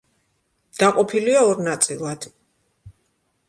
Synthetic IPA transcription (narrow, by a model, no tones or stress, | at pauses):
d̪̥aqʼɔpʰiliaɔɾnat̪sʼilˠad̪̥